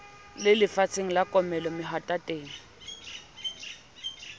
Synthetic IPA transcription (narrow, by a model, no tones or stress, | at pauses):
lɪlɪfat͡sʰeŋ̩lakʼɔmɛlɔmɪɦatʼatʼeːŋ̩